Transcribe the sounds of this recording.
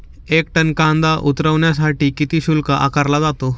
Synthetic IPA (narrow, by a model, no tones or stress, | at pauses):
ek̚ʈənkãnd̪aʔut̪ɾəʋɳjas̬aʈiːkit̪iːɕulkaʔa̰kaɾlad͡zat̪o